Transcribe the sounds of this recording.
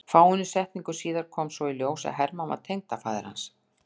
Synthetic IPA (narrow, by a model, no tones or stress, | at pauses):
faːwʏnːʏsɛht̪niŋkʏ̥siːðaɾ̥kʰɔːmsvɔiljoːwsa̰ðɦɛɾmanva̰ɾ̥t̪ʰejŋ̚t̪afaːðɪ̰ɾha̰ns